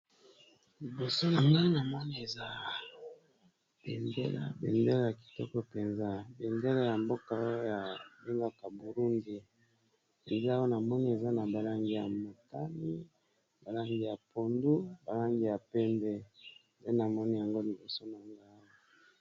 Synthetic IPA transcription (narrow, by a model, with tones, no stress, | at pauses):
li˨bo˨so˦na˨ŋɡa˦i˦na˨mɔ˦ni˦e˨za˦ | b̥e˨ndḛ˦la̰˦bḛ˨nde˦la˦ja˨ki̥˨tɔ˦kɔ˦pe˨nza˦be˨nde˦la˦ja˨mbo˦ka˨˦o˦ja˨be˦ŋɡa˦ka˨bu˨ɾu˦ndi˨ | e˨nza˦wo˦na˨mɔ˦ni˦e˨za˦na˨ba˨la˦ŋɡi˦ja˨mo˨ta˦li˦ | ba˨la˦ŋɡi˦ja˨po˨ndu˦ba˨la˦ŋɡi˦ja˨pɛ˦mbɛ˦nde˦na˨mɔ˦ni˦ja˨ŋɡo˦li˨bo˨so˦na˨ŋɡa˦i˦